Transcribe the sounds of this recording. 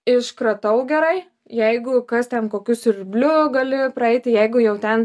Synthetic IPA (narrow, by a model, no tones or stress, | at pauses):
ɪʃkɾɐt̪ɐʊɡʲɛɾɐɪ | jɛɪɡʊkɐst̪ʲɛnkoːkʲʊsʲɪɾʲbʲlʲʊɡɐlʲɪpɾɐɛɪt̪ʲɪjɛɪɡʊjɛʊt̪ʲɛn